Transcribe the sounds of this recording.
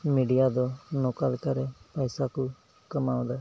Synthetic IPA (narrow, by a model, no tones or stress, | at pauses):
miːɖijad̪oːnoːkəlkəɾepɛːsaku | kəmaːʊ̃d̪aː